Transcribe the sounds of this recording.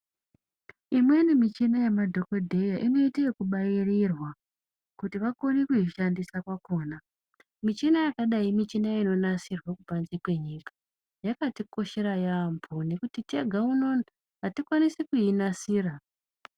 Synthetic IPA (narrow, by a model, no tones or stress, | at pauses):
imwe̞nimit͡ʃinajemadʱo̞ko̞dʱe̞jaʔino̞itejekuɓajirirwa | kutiʋakonekuiʃandisakwako̞ːna | mit͡ʃinajakaɗaimit͡ʃinaino̞nasirwakupanzikwe̞ɲiːkḁ | jakatiko̞ʃe̞ɾajampʰone̞kutiteɡʱaunon | ɦatikwanisekujinasiːra